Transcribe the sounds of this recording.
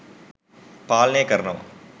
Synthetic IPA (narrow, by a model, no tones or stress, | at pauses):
paːlneːkɐɾɐnɐm̰